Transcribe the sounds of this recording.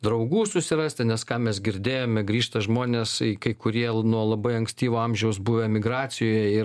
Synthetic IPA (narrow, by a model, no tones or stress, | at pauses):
d̪ɾɐʊɡuːsʊsʲɪrɑsʲt̪ʲɪnʲɛskɑːmʲɛs̬ɡʲɪɾʲd̪ʲeːjoːmʲɛɡɾʲiːʃt̪ɐʒmoːnʲeːsikɐɪkʊɾʲiɛnuɔlˠɐbɐɪɐŋksʲt̪ʲiːʋʲoɑmʲʒʲɛʊsbuːʋʲemʲɪɡɾɑːsʲɪjoːjɛɪ